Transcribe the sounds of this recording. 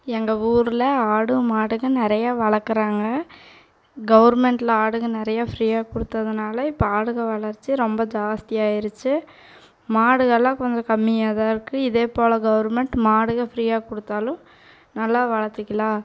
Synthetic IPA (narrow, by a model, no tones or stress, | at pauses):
ɛŋɡɐuːɾɪlɐaːɽɯmaːɽɯɣɐnɪɾɐjaːʋɐɭɐɾkːɯɾaːŋɡɐ | ɡɐʋɐɾmɛɳʈlɐaːɽɯɣɐnɪɾɐjaːfɾiːaːkʊɽɯt̪ːɐðɯnaːlɐɪpːɐaːɽɯɣɐʋɐɭɐɾt͡ʃːɯɾɔmbɐd͡ʒaːst̪ɪjaːɪɾɯt͡ʃːɯ | maːɽɯɣɐlːãːkɔɲd͡ʒɐ̃kɐmːɪjaːðãːɪɾɯkːɯɪðeːpoːlɐɡɐʋɐɾmɛɳʈmaːɽɯɣɐfɾiːaːkʊɽɯt̪ːaːlʊ̃ | nɐlːaːʋɐɻɐɾt̪ːɯkʲːɐlaː